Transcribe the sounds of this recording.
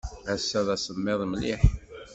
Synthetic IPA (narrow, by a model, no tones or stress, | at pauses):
æsːæðæsəmːɪðˤmliħ